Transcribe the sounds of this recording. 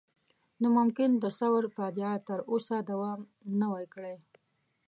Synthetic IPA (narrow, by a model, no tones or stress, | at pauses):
nomʊmkɪnd̪əsawaɾpad̪jɑt̪əɾosad̪awɑm | nawajkɽaj